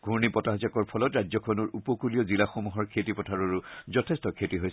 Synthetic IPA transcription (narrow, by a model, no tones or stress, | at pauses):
ɡ̥ʱuɹnipɔtaɦzakɔɹpʰɔlɔtɹazɔkʰɔnɔɹupɔkulijɔzilaxɔmuɦɔɹkʰetipɔtʰaɹoɹuzɔtʰestɔkʰetiɦoj